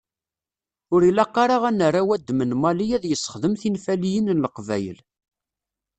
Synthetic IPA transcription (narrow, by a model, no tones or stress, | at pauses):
ʊɾilæqːɑɾˤɑʁænərːawæd̪ːmənmɑlijæðjəsːə̥χðəmθinfælijənnləqvæ̰jə̰l